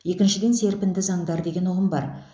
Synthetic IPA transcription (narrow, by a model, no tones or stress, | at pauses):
je̞kʲɪnʃɪd̪e̞nse̞ɾpɪnd̪ɪzɑŋd̪ɑɾd̪e̞ɡʲe̞nʊʁəmbɑ̰ɾ